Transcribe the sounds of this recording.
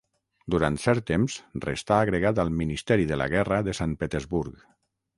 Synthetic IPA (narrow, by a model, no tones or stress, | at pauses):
d̪uɾant̪sɛɾt̪ːemzrḛst̪aːɣɾeɣat̪̬alˠminist̪ɛɾiðəla̰ɣɛrəðesampet̪ezβuɾk